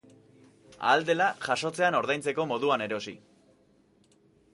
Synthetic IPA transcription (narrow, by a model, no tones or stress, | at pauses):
a̰ːld̪e̞laʝaʃo̞t͡se̞ano̞ɾðajnt͡se̞ko̞mo̞ðuane̞ɾo̞sḭ